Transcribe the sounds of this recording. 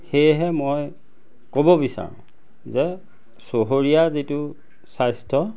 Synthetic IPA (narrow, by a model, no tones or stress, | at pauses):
xejɦɛmoj | kobɔbisa̰ɹʊ̰̃ | zɛ | soɦoɹijazitʊ | sajstʰɔ